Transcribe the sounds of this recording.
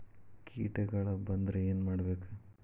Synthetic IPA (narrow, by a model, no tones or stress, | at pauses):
kʰḭːʈɐɡɐɭɐbɐnd̪ɾeeːnmaːɽɐbe̞ːku